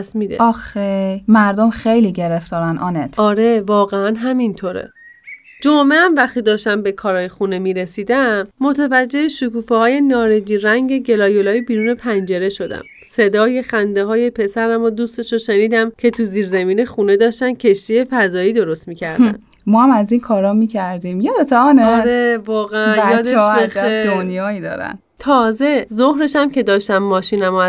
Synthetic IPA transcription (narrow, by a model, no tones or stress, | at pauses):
smiːd̪eɒxemæɾd̪omxejliɟeɾeft̪ɒːɾænɒːnet̪ʰɒːɾe̞vɒːɣeænɦæmint̪ʰoɾḛ | d͡ʒomeæmvæxt̪iːd̪ɒːʃt̪æmbe̞kʰɒːɾɒːjexunemiːɾesiːd̪æmːot̪ʰevæd͡ʒːe̞eʃukuːfehɒːje̞nɒːɾed͡ʒiːɾæŋɟe̞ɟe̞lɒːjo̞lɒːjibiːɾuːne̞pʰænd͡ʒe̞ɾe̞ʃo̞d̪æ̰m | se̞d̪ɒːje̞xænd̪eɦɒːje̞pʰe̞sæɾæmod̪uːst̪e̞ʃoʃe̞niːd̪æmcʰe̞t̪ʰuziːɾzæmiːnexune̞d̪ɒːʃt̪æncʰe̞ʃt̪ije̞fæzɒːiːd̪o̞ɾost̪miːcʰæɾd̪̰æ̰n | mɔːhæmæzinkʰɒːɾɒːmiːcʰæɾd̪iːmjed̪ot̪ʰɒːneɒɾevɒːɣeænjɒːd̪eʃeæed̪onjɒːid̪ɒ̰ːɾæ̰n | t̪ʰɒːze̞zohɾe̞ʃæmcʰe̞d̪ɒːʃt̪æmːɒːʃiːnæmo